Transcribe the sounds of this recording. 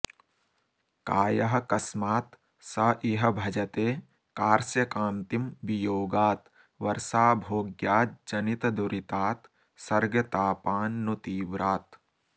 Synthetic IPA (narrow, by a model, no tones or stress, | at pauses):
kaːjɐɦɐ̆kɐsmaːt̪ | sɐʔiɦɐbʱɐd͡ʒɐt̪eː | kaːɾsjɐkãːnt̪imbijoːɡaːt̪ | ʋɐɾsaːbʱoːɡjaːt̪̚d͡ʒɐnit̪ɐd̪uɾʔit̪aːt̪ | sɐɾɡɐt̪aːpaːnːut̪iːʋɾaːt̪